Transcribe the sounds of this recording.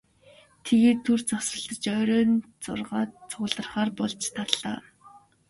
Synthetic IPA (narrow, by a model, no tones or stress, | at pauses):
t̪ʰeɣeːt̪ʰːur̥t͡sasrə̆ɮt̪ə̆t͡ɕœːɾʲœːnt͡sʊ̰rʁaːt͡sʰʊə̆ɮə̆rχaːrpɔɮt͡ɕt̪ʰat̪ɮa̰ː